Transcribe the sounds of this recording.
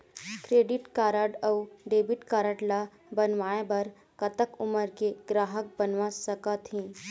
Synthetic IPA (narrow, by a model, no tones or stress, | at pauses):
kɾeːɖɪʈkaːɾəɖəuɖeːbɪʈkaːɾəʈla | bənʋaːebɐɾ | kɐt̪əkʊməɾkeɡɾaːɦək̚bənʋasəkat̪ĩː